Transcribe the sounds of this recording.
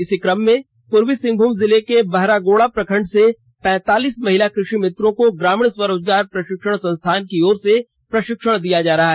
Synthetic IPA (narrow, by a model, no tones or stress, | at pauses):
ɪsikɾəmːẽ | pʊɾwisɪ̃ŋbʱumzɪlekebɐɦɾaɡoːɭapɾɐkʰə̃ɳɖse | pɛ̃ːt̪aːliːsmɐɦɪlakɾɪʃimɪt̪ɾõkoɡɾaːmɪɳswɐɾoːd͡ʒɡaːɾpɾɐʃɪkʃəɽ̃sɐ̃nst̪ʰaːnkioːɾse | pɾɐʃɪkʃəɽ̃d̪ijad͡ʒaːɾɐɦaɦː